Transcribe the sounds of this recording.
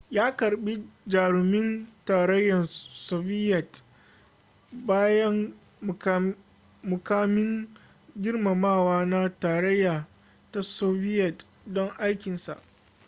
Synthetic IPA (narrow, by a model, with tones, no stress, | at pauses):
jaː˦kɐ˨ɽɓi˦d͡ʒaː˨ɽʊ˨mɪ˦ntaː˨ɾɐ˦jːɐ˨nsoː˨bɪ˦jɐ˨t | baː˦jɐ˦ŋ˨ | mʊ˨kaː˦mɪ˦ŋ | ɡʲɪ˦rma˨maː˦˨waː˦na˦taː˨ɾɐ˦jːaː˨ | ta˦soː˦ɸɪ˦jɐ˨t | dɔ˦ŋʔa˦jkʲɪ˨nsa̰˨ʔ